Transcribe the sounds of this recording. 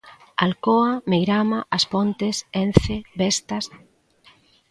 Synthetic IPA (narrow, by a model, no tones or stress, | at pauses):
alkɔamejɾamaʔːspɔnt̪ɪsen̟θebɛst̪ɐs